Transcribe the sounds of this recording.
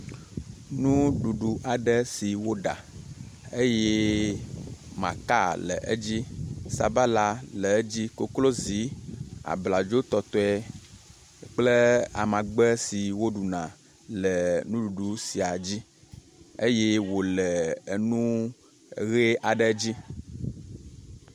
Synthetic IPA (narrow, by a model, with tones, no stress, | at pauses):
nũ˦ɖu˨ɖu˨ʔa˨ɖə˦si˨wo˦ɖa̰˨ | e˦je˦ | mã̰˨ka˦lə̰˨ʔə˦d͡ʑi˦sa̰˨ba˦la˦lə˨˦d͡ʑi˦ko˦klo˦zi˨˦a̰˨bla˨d͡ʒo˦t̪ɔ˨t̪ɔ˦ɛ˦ | k͡plə˦a̰˨mã˨ɡ͡bə˦si˨wo˦ɖu˨nã˨ | lə˨nũ˦ɖu˨ɖu˨si˨a˨d͡ʑi˦ | e˦je˦wo˨lə˨ə˨nũ˦˨ | ɣe˦ʔa˨ɖə˦d͡ʑi˦